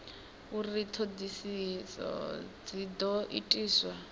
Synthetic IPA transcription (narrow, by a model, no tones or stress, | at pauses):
urit̪ʰod̪isisɔ̰d͡zid̪ɔʔḭtʼiːswa